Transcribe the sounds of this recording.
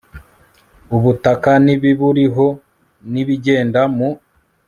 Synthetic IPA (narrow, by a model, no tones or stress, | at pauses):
uβutakaniβiβuɾiɦo | niβiɟe̞ːndamu